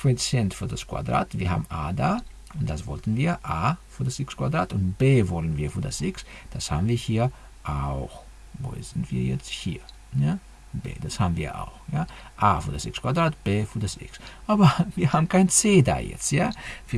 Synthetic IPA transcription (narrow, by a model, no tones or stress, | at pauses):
pʁɛt͡sɛntfyːɐdaskva̰dʁa̰ːtv̥iːɐhaːbm̩ʔa̰ːdaː | ʊnt̚d̥asv̥ɔltn̩viːɐʔaːfyɐdasɪkskvadʁaːtʊntb̥eːvɔlənviːɐfyːɐdasʔɪks | d̥asha̰ːbm̩viːɐhiːɐ | ʔaʊx | vo̰zɪntv̥ḭːɐjɛ̰t͡sthiːɐ | ja | b̥ḛːd̥ashaːbm̩viːɐʔa̰ʊxjaː | ʔaːfyːɐdasɪkskvadʁaːtb̥eːfyːdasʔɪ̰ksʔaːbɐviːɐhaːbm̩kʰaɪnt͡seːda̰ːjɛ̰t͡stjavi